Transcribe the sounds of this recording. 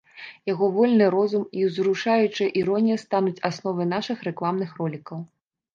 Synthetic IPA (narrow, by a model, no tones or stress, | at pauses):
jaɣɔvɔlʲnɨɾɔzumiwzɾuʂajut͡ʂɨjɐʔiɾɔnʲijɐst̪anut͡sʲasnɔvɐnaʂɨxrɛklˠamnɨxrɔlʲikɐw